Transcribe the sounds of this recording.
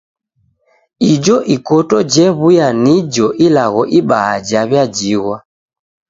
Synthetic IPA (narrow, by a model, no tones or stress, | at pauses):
id͡ʒɔʔikɔtɔd͡ʒɛβujanid͡ʒɔʔilaɣɔʔiɓaad͡ʒaβjad͡ʒiɣwa